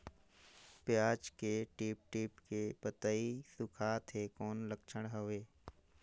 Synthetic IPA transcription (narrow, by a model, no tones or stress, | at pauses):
pɪjaːd͡ʒkeʈiːp̚ʈiːpkepət̪əisʊkʰat̪ʰekɔːnləkt͡ʃʰəɽ̃ɦəʋeː